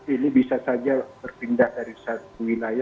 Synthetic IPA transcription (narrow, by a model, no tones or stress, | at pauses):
inibisasad͡ʒabərpindahdaɾisat̪̚uwilaja